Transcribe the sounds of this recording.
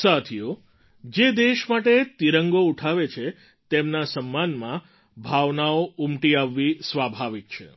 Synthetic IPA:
sat̪ʰijo | d͡ʒed̪eʃmaʈet̪iɾəŋɡouʈʰaʋet͡ʃʰe | t̪emnasəmːanmã | bʱaʋnaoumʈiaʋːisʋabʱaʋik̚t͡ʃʰḛ

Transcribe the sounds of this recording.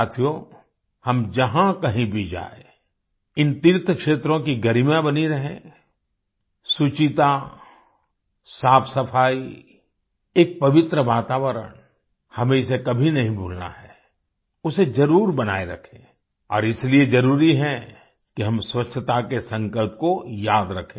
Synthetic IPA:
t̪ʰijo | hɐmd͡ʒɐɦãkɐɦĩbʱid͡ʒa̰ːḛ | ɪnt̪iɾt̪ʰkʃeːt̪ɾõkiɡɐɾimjãbɐniɾɐɦḛ̃ | sut͡ʃit̪a | saːpʰsɐfʰaːi | eːk̚pɐʋɪt̪ɾəʋaːt̪aːʋəɾə̰n | hɐmẽɪs̬ekɐbʱinɐɦĩbʱoːlna̰ɦɛː | ʊsed͡ʒɐɾuːɾbɐna̰ːeɾɐ̰kʰẽː | ɔ̰ːɾɪslied͡ʒɐɾuːɾiɦɛ | kiɦɐmswɐtːʃʰət̪akesɐ̃ŋkəlp̚kojaːd̪ɾɐkʰːẽː

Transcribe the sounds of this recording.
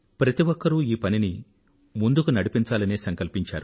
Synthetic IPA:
pɾɐt̪iʋɔkːɐɾuiːpɐnini | mund̪ukunɐɽipint͡ʃaːlɐneːsɐŋkɐlpiɲt͡ʃa̰ːɾu

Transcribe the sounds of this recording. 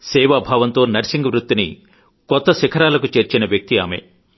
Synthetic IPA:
sɛːʋabʱaːʋɐnt̪o̞ːnɐɾsiŋɡɐʋɾut̪ːinḭ | kɔt̪ːɐsikʰɐɾaːlɐkut͡ʃe̞ːɾt͡ʃinɐʋjɐk̚t̪ia̰ːme̞̰

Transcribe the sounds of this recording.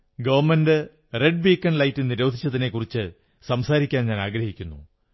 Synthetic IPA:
ɡɐʋɐrmɐndɨ | re̞ɖ̚biːkːɐnlɐjtːɨniɾo̞ːd̪ʱit͡ɕːɐt̪ine̞kːurit͡ɕːɨ | sɐmsaːɾikʲːaːnɲaːnaːɡɾɐhikʲːunːu

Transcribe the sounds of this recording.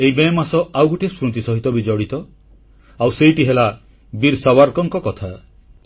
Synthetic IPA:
eibemasɔʔawɡuʈesɾut̪isɔɦit̪ɔbid͡ʒɔɽit̪ɔ | awsejʈiɦela | biɾsawaɾkɔŋkɔkɔt̪ʰa

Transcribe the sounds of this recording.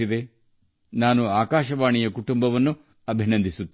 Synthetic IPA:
id̪e̞ | naːnuaːkaːʃɐʋaːɳijɐkuʈumbɐʋɐnːu | ɐbʱinɐnd̪ʱisut̪ː

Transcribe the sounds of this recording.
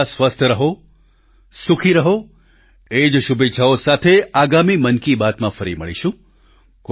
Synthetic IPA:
sʋəst̪ʰəɾəɦo | sukʰiɾəɦo | ed͡ʒʃubet͡ʃʰaosat̪ʰeaɡamimənkibat̪mãfəɾiməɭḭʃũ | k

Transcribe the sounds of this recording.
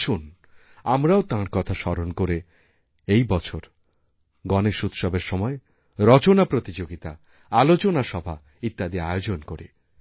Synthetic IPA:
un | amɾaot̪ãɾkɔt̪ʰaʃɔɾonkoɾe | ejbɔt͡ɕʰoɾ | ɡɔneʃut̪ʃɔbeɾʃɔmɔe | ɾɔt͡ɕonapɾot̪id͡ʑoɡit̪a̰ | alot͡ɕonaʃɔbʱa̰ | it̪ːad̪iaeod͡ʑonkoɾḭ

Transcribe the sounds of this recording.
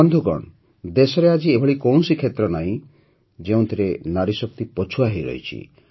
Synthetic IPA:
ɔnd̪ʱukɔ̰ɳ | d̪esɔɾead͡ʒiebʱɔɭikow̃nsikʰet̪ɾɔnaĩ | d͡ʒeũt̪ʰiɾenaɾisɔk̚t̪ipɔt͡ʃʰuaɦiɾɔ̰jt͡ʃʰḭ

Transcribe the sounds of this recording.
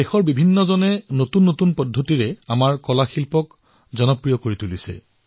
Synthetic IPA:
dexɔɹbibʱinːɔzɔnɛnotunːotunpɔdʱːotiɹɛamaɹkɔlaxilpɔk | zɔnɔpɹijɔkoɹitulisɛ̰

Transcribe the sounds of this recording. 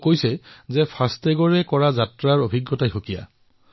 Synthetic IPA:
kojsɛzɛpʰastɛɡɔɹɛkɔɹazatɹaɹobʱiɡjɔtajxokija̰

